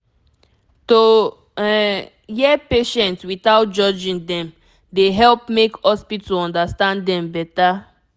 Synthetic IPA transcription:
to | jɛpeʃɛ̃ntswiθaʊt̚d͡ʒɔd͡ʒĩŋdɛ̃m | deɦɛlp̚mekɔspitoɔ̃ndastãndɛ̃mbɛta

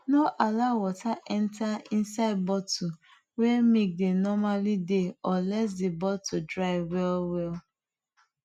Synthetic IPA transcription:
noʔalaʊwɔtaʔɛntaĩnsaɪd̚bɔtu | wɛmek̚denɔmalideɔlɛs̬debɔtudɹaɪwɛlwɛl

